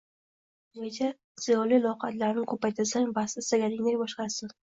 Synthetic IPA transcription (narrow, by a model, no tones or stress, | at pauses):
net͡ʃʰa | z̥ɪjɒlilˠɒwqɑt̪laɾnɪkʰɵpajt̪ʰasaŋbasɪsaɡʲanɪŋd̪ajbɒʃqɑɾsɪn